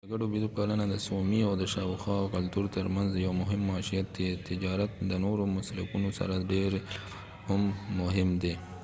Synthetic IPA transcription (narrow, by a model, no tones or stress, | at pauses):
d̪əɡaɽobidopalanad̪əsomiawd̪əʃɑwxɑkalt̪uɾt̪əɾmanzd̪əjawmʊɦɪmːɑʃijat̪̚d̪et̪ɪd͡ʒɑɾat̪̚d̪ənoɾomʊslakunosa̰ɾaɖeɾ | hʊmːʊɦɪmd̪e